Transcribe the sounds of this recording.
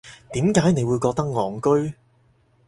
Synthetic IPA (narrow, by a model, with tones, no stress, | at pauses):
t̪iː˨˥mkaː˨˥jne˨˧jwu˨˧jkɔː˧k̚t̪ɐ˥k̚ŋɔː˨˧ŋkɵ˥ɥ